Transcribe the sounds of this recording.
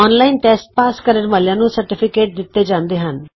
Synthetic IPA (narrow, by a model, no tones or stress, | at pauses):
ɔːnlaːiːnʈɛːsʈ̚paːskəɾənʋaːljãːnũːsəɾʈɪpʰɪkeːʈ̚d̪ɪt̪ːeːd͡ʒãːnd̪eːɦən